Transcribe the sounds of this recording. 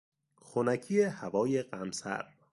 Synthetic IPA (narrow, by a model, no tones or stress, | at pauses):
xonæcʰijehævɒːjeɢæmsæ̰ɾ